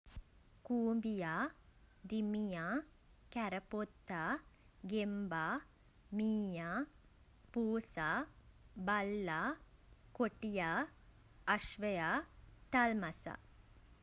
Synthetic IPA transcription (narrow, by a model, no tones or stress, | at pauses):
kuːmbija | d̪imija | kɛɾɐpot̪ːa | ɡemba | miːja | puːsa | bɐlːa | koʈija | ɐʃʋɐjat̪ɐlmɐsa̰